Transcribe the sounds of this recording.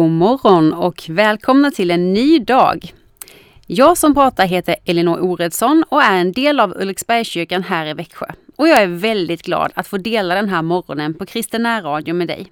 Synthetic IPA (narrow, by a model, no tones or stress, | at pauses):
mɔɾɔnɔkʰvɛːlkʰɔmnat̪ʰɪlɛnːyːd̪ɑ̰ːɡ | jɑːɡsɔmpʰɾɑːt̪aɾɦeːt̪əɾɛlɛnoːʔuːɾɛd̪sɔnɔæɾɛnd̪eːlavɵ̰lksbæɾjɕʏɾkanɦæːɾɪvɛkɧə̰ɔjɑːɡæɾvɛld̪ɪt̪ɡlɑ̰ːd̪a̰t̪foːd̪eːlad̪ɛnɦæːɾmɔɾɔ̰nənpʰɔkʰɾɪst̪ənːæːɾɑːd̪jʊmɛːd̪ɛ̰j